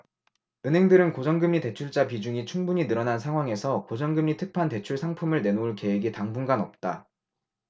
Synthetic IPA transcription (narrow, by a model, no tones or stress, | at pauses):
ɯnɦe̞ŋdɯɾɯnkod͡ʑʌŋɡɯmɲite̞t͡ɕʰuɭt͡ɕ͈ap̬id͡ʑuŋit͡ɕʰuŋbuɲinɯɾʌnansʰaŋɦwaŋe̞sʰʌkod͡ʑʌŋɡɯmɲitʰɯk̚pʰante̞t͡ɕʰuɭsʰaŋpʰumɯɭne̞nouɭke̞weɡitaŋbuŋɡanʌp̚t͈a